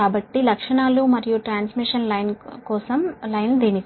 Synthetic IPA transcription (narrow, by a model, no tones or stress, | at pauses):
aːbɐʈːilɐkʂɐɳaːlumɐɾijuʈɾaːnsmiʂɐnlɐjnkɔːsɐmlɐjnld̪eːni